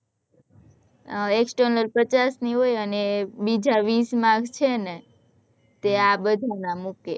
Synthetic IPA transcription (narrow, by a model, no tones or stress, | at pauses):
eksʈəɾnəɾpət͡ʃasniɦojənebid͡ʒaʋismãɡʱt͡ʃʰene | t̪eabəd̪ʱanamuke